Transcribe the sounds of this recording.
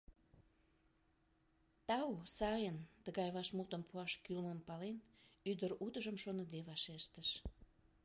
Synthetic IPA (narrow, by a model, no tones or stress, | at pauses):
t̪ɑusɑjənt̪əɣɑjβɑʃmut̪əmpuɑʃkylməmpɑlenyd̪əɾut̪əʒəmʃonəd̪eβɑʃeʃt̪əʃ